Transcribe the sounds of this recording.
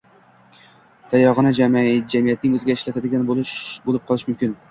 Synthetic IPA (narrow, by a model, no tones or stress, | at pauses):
t̪ʰajɒʁɨnad͡ʒamd͡ʒamijat̪̚nɪŋɵzɪɡʲaɪʃlat̪ʰad̪ɪɡʲanbolbolˠɪp̚qʰɒlˠɪʃmʊmkʲɪn